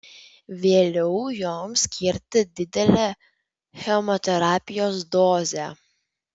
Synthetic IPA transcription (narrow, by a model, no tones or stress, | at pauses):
ʋʲeːlʲɛʊjoːmsʲkʲʰɪɾʲt̪ʲɪd̪ʲɪd̪ʲɛlʲɛ | xʲɛmɔt̪ʲɛɾɑːpʲɪjoːsd̪oːzʲɛ